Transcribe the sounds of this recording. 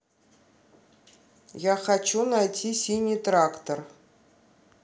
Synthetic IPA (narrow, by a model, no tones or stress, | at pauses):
jaχat͡ɕunajtʲʰisʲinʲijt̪rakt̪or